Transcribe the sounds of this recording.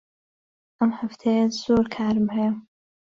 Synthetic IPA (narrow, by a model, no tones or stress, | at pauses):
ʔɐmħaft̪ʰejaz̥oːɾkʰaːɾmhej